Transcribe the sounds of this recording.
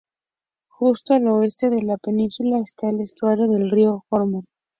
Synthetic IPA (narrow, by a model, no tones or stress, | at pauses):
xust̪oalo̞e̞st̪e̞ðelape̞nĩnsulaest̪aelest̪waɾjoðe̞lrioxoɾmon